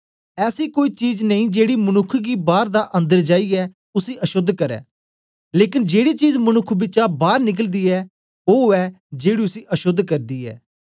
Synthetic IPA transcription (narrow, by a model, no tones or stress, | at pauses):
ɛːsikoːiːt͡ʃiːd͡ʒnɐĩːd͡ʒeːɽimɐnʊkʰːɡiːbaːɾd̪aʔɐ̃nd̪əɾd͡ʒaːiɛː | ʊsiːʔɐʃʊd̪ːkɐɾɛ̰ː | leːkɪnd͡ʒeːɽit͡ʃiːd͡ʒmɐnʊkʰbɪt͡ʃabaːɾnɪk̬əld̪iːɛː | oːɛː | d͡ʒeːɽiʊsiːʔɐʃʊd̪ʱːkɐɾd̪iːɛ̰ː